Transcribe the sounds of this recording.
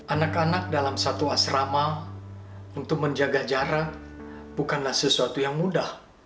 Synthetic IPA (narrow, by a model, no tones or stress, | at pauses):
ʔanakanak̚dalamsat̪uasrama | unt̪ʊk̚məɲd͡ʒaɡad͡ʒaɾat̚ | bukanlahsəsuat̪ujaŋmudah